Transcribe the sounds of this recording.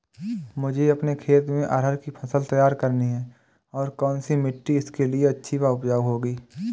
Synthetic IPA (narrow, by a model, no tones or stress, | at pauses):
mʊd͡ʒʱeɐpnekʰeːt̪mẽʔəɾɦəɾkipʰɐsəlt̪ɐjaːɾkəɾniɦɛː | ɔːɾkɔːnsimɪʈːiɪskelieɐtːʃʰibaːʊpd͡ʒaːwɦoːɡiː